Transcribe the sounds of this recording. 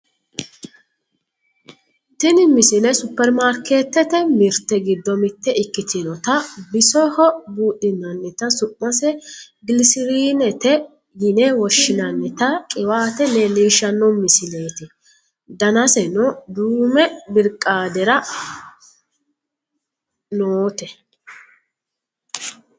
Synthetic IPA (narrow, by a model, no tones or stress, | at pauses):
t̪ɪnɪmɪsɪnɛsʊpːɛɾmaːɾkeːt̪ːɛt̪ɛmɪɾt̪ːɛɡɪd̪ːɔmɪt̪ːɛɪkːɪt̪ʰɪnɔt̪ɐbɪsɔhɔbuːɗɪnːɐnːɛt̪ɐsʊʔːɐsɛ | ɡɪlɪsɪɾiːnɛt̪ɛ | jɪnɛwɔʃːɪnɐnːɛt̪ɐkʼɪwaːt̪ɛnɛniːʃːɐnːɔmːɪsɪne̞ːt̪ɪ | d̪ɐnɐsɛnɔd̪uːmɛbɪɾkʼːaːd̪ɛɾɐ | noːt̪ɛ